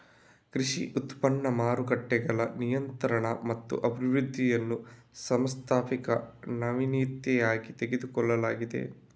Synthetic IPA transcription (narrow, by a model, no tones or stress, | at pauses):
kɾiʂḭʔut̪pɐɳːɐmaːɾukɐʈːɛɡɐɭɐnijɐnt̪ɐɾɐɳɐmɐt̪ːṵʔɐbʱiʋɾud̪ʱːijɐnːu | sɐmst̪ʰaːpikɐnɐʋiniːt̪jɛjaːɡit̪e̞ɡed̪ukɔɭːɐlaːɡid̪e̞̰